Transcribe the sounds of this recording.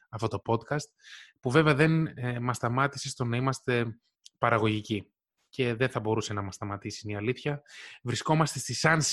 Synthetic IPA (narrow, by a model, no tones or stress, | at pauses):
ɐft̪o̞t̪o̞po̞t̪kɐst̪̚puve̞veɐðe̞nmɐst̪ɐmɐt̪i̥sest̪o̞nɐimɐst̪e̞ | pɐɾɐɣo̞ʝici | ce̞ðenθɐbo̞ɾuse̞nɐmɐst̪ɐmɐt̪isizniɐliθçɐvɾisko̞mɐst̪e̞st̪isɐns